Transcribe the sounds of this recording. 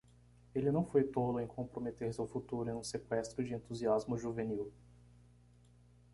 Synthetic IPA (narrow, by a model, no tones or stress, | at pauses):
elɪnɐ̃w̃fojt̪olʊẽj̃kõpɾomet̪eɾsɪawfut̪uɾʊẽj̃ũsekwɛst̪ɾʊd͡ʒɪẽnt̪uziazmʊʒuveniw